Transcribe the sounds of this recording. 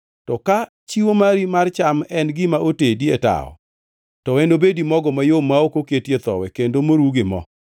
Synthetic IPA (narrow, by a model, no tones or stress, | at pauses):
tɔka | t͡ʃiwomaɾimart͡ʃamɛnɡɪmaʔotedieta̰ɔ̰ | tɔwɛnobedimɔɡɔmajomaokoketjet̪ɔ̰wɛkendomoɾuɡɪmɔ̰